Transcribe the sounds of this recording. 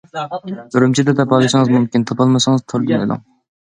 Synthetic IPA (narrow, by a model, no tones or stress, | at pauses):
yɾumt͡ʃʰid̪ɛd̪ɛpʰɑlˠɨʃɪŋɨzmumkʲint̪ʰɑpɑlˠmɨʃɨŋɨzt̪ʰoɾd̪unɪ̰d̪ʊ̰ŋ